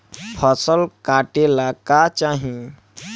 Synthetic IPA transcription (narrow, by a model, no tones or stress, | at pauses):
pʰəsəlkaʈelakat͡ʃaɦĩ